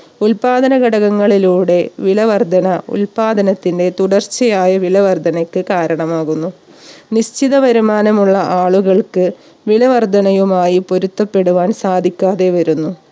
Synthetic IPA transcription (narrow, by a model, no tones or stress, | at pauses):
ulpaːd̪ɐnɐɡɐɽɐɣɐŋːɐɭiluːɽe̞ʋilɐʋɐrd̪ʱɐnɐṵlpaːd̪ɐnɐt̪ːinde̞t̪uɽɐrt͡ɕːɐjaːjɐʋiɭɐʋɐrd̪ʱɐnɐkʲːɨkaːɾɐɳɐmaːɣunːuniɕt͡ɕiðɐʋɐɾumaːnɐmuɭːɐʔaːɭuɣɐɭkɨ | ʋilɐʋɐrd̪ʱɐnɐjumaːjipo̞ɾut̪ːɐpːe̞ɽuʋaːnsaːd̪ʱikʲːaːðe̞ʋɐɾunːu